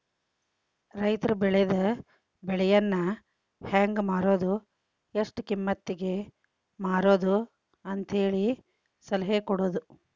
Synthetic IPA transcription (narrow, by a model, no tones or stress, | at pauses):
ɾɐjt̪ɐɾɐbɛɭɛd̪ɐ | bɛɭɛjɐnːɐ | haːŋɡmaːɾoːd̪u | eʂʈukimːɐt̪ːiɡe̞ | maːɾoːd̪u | ɐnt̪ɐɦe̞ːɭi | sɐlɐɦekɔɽoːd̪u